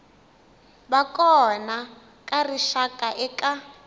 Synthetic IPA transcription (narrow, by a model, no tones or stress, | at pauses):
bakʼɔna | kʼariʃakʼaʔɛka